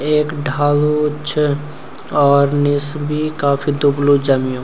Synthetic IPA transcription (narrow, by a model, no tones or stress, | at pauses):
eːkɖʱaːlot͡ʃʰ | ɔːɾnɪsbʱikaːpʰid̪ʊblud͡ʒɐmijõː